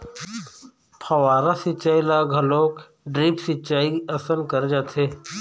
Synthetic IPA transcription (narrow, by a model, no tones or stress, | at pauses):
pʰəʋaːɾaːsɪt͡ʃaːilaːɡʱəloːk | ɖɾiːpsɪt͡ʃaːiəsənkəɾd͡ʒaːt̪ʰeː